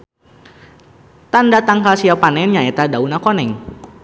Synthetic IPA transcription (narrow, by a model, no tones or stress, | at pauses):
t̪andat̪aŋkasiapanɛnɲaet̪adaunakonɛŋ